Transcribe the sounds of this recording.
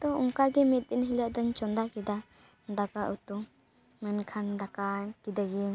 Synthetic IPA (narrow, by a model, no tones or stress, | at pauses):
t̪ɔuŋkaɡimit̪̚dinɦilaʔd̪ɯnt͡ʃɔnd̪akid̪a | d̪akaʔut̪u | mənkʰand̪akakid̪aɡi